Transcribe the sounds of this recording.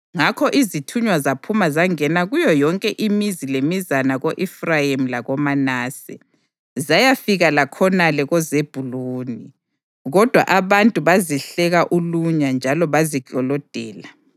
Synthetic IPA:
ŋakʰɔʔizitʰuɲwazapʰumazaŋɛnaɣujɔjɔŋkʼɛʔimizilemizanaɣoʔifrajim̩laɣɔmanaːsɛ̰ | zajafiɣalakʰɔnalɛɣɔzeb̥ʱuluːni | ɣɔd̥ʱwa̰ʔaβantʼuβaziɬɛɣaʔuluɲand͡ʒʱalɔβaziɡʼɔlɔd̥ʱɛːla

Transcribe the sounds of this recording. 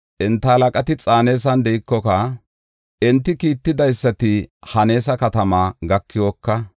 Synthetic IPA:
ʔɛnt̪ːɐːlɐkʼɐt̪ɪt͡sʼaːne̞ːs̬ɐnd̪ɛɪkːɔkɐ | ɛnt̪ːɪkiːt̪ːɪd̪ɐjsːɐt̪ɪhɐne̞ːsɐkɐt̪ɐmaːɡɐkːɪwokːɐ

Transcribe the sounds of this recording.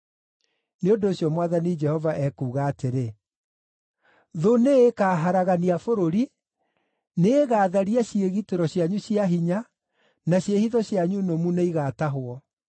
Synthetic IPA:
neondoːɕjɔmwaðanid͡ʒɛhɔvaʔɛkuːɣaːteɾe | ðoneekaːɦaɾaɣaniafoɾoɾi | neːɣaːðaɾiaɕieɣiteɾɔɕjaɲuɕiaɦiɲa | naɕjehiðɔɕjaɲunomuneiɣaːtaɦoɔ

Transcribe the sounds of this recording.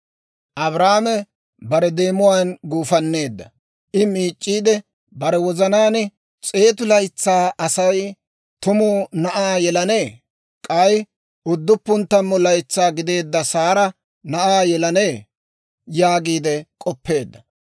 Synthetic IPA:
ʔɐβɾaːmɛ | bɐɾɛd̪e̞ːmʊwaːnɡuːfɐnːe̞ːd̪ːɐ | ʔɪmiːt͡ʃʼːiːd̪ɛ | bɐɾɛwɔzɐnaːn | t͡sʼe̞ːt̪̬ʊlɐjt͡sːaːʔɐsɐj | t̪ʊmʊnɐʔaːjɛlɐne̞ː | kʼɐj | ʊd̪ːʊpːʊnt̪ːɐmːɔlɐjt͡sːaːɡɪd̪e̞ːd̪ːɐsaːɾɐ | nɐʔaːjɛlɐneː | jaːɡiːd̪ɛkʼɔpʰːe̞ːd̪ːɐ

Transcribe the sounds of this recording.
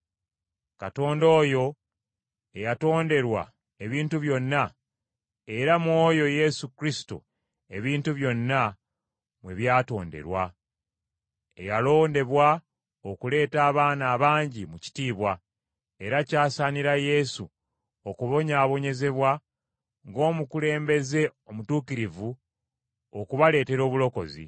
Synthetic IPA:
kato̞ːndo̞ːjo̞ | e̞jato̞ːnde̞ɾwa̰ | e̞βiːntuβjo̞nːa | e̞ɾamwo̞ːjo̞je̞sukɾisi̥to̰ | e̞βiːntuβjo̞nːa | mwe̞βjaːto̞ːnde̞̰ɾwa | e̞jalo̞ːnde̞βwa | okule̞ːtaːβaːnaːβaːɲɟimuci̥tiːβwa | e̞ɾacaːsaniɾaje̞sṵ | okuβo̞ɲaːβo̞ɲe̞ze̞βwa | ŋɡo̞ːmukule̞ːmbe̞ze̞o̞mutuːkiɾivu | o̞kuβale̞ːte̞ɾo̞ːβulo̞ko̞zḭ

